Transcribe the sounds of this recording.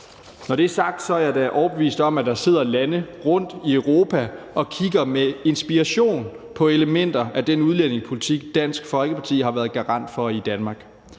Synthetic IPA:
nɒɾ̥e̝æɐsɑ̈ɡ̥̚d̥sɒ̽æɐd̥æʔɒʊɐb̥e̝ʋḭːsd̥ɒ̽mæd̥ɑ̈se̝ð̰ˠɐlænəʁɔ̽n̰d̥iœʊʁo̝ːpʰæʔɒ̽kʰiɡ̥ɐmee̝nsb̥iɑɕo̝̰ːn | pʰɒ̽eləmen̰d̥ɐʔæd̥enuðˠlen̰e̝ŋspʰo̝lit͡sʰiɡ̥̚d̥æn̰sɡ̥fɒ̽lɡ̥əpʰɑ̈t͡sʰḭːhɑ̈ʋæːɐð̞ˠɡ̥ɑ̈ʁɑ̈n̰d̥fɒ̽id̥ænmɑ̈ːɡ̥

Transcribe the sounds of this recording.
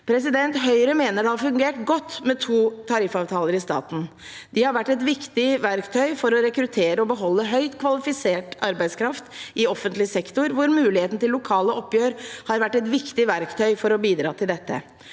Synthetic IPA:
pʰɾɛsɪd̪ɛnt̪ɦœʏɾəmeːnəɖɛhɑɾfʉŋɡeːʈɡɔt̪ːmɛt̪ʰuːt̪ʰɑɾɪfɑːʋt̪ʰɑːləɾɪst̪ɑ̰ːt̪n̩ | d̪ɪhɑɾʋæʈːɛt̪ʋɪkt̪ɪʋæɾkt̪ʰœʏfɔɾɔɾɛkɾʉt̪ʰeːɾəɔbəɦɔlːəɦœʏt̪kʰʋɑlɪfɪseːʈɑɾbæɪskɾɑft̪ʔɪɔfːənt̪lɪsɛkt̪ʊɾʋʊɾmʉːlɪheːt̪n̩t̪ɪlːʊkʰɑːləʔɔpːjøːɾhɑɾʋæʈːɛt̪ʋɪkt̪ɪʋæɾkt̪ʰœʏfɔɾɔbiːd̪ɾɑ̰ːt̪ʰɪld̪ɛt̪ːə̰

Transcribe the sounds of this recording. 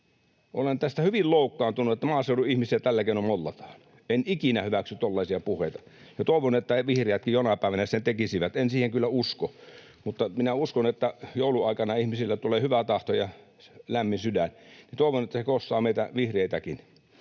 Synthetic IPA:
olent̪æst̪æhyʋilloˑukːɑːnt̪unuet̪ːæmɑːseˑoduihmisiæt̪ælːækeˑunommolːɑt̪ɑ̥ːn | enʔikinæhyʋæksyt̪olːɑˑisiɑpuhˑeˑit̪ɑ | jɑt̪oˑiʋonet̪ːæʋihreæt̪̚kijjonɑpæˑeʋænæsent̪ekisiʋæt̪ensiːheŋkylːæusko | mut̪ːɑminæuskonet̪ːæjoˑuluɑˑikɑnɑihmisilːæt̪uleːhyʋæt̪ɑht̪ojɑ | læmːinsydænnit̪oˑeʋonet̪ːæsekosːɑːmeˑit̪æʋihreit̪ækin

